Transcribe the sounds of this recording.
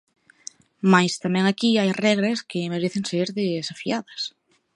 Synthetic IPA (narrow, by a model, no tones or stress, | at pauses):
majst̪amɛ̃ŋakiajrɛɣɾɐskɪmeɾeθɪŋseɾðesafiaðɐs